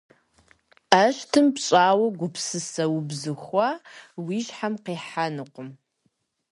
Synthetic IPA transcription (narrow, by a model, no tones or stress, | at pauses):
ɐʃtʰɨmpɕʼaːwɐɡʷʊpʰsɨsɐwbzɨxʷawiːʒħamqiːħanɨqʷʊm